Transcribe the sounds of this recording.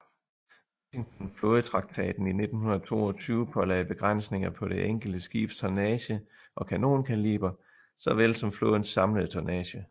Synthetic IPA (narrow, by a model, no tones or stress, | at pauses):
ʋɕiŋt͡sʰɒnfloð̩ˠt͡sʰʁɑ̈ɡ̥̚t͡sʰɛ̰ːd̥n̩ine̝d̥n̩hunɐð̩ˠt͡sʰo̝̰ːɒ̽t͡sʰyːʊəpʰɒ̽lɛ̰ɪb̥e̝ɡ̥ʁan̰sne̝ŋɐpʰɒ̽ɾ̥e̝ʔeŋ̰ɡ̥l̩d̥əsɡ̥ḭːb̥st͡sʰɒnɛɕə | ʔɒ̽kʰæno̝̰ːnkʰælḭːb̥ɐ | sɒ̽ʋelsɒ̽mfloðˠn̩sɑ̈mləð̞̩ˠt͡sʰɒnɛːɕə